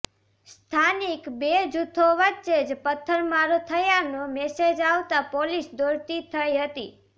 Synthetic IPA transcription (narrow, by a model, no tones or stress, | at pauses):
st̪ʰanikbed͡ʒut̪ʰoʋətːʃed͡ʒpət̪ʰːəɾmaɾot̪ʰəjanomɛsed͡ʒaʋt̪apolisd̪oɾt̪it̪ʰəiɦət̪ḭ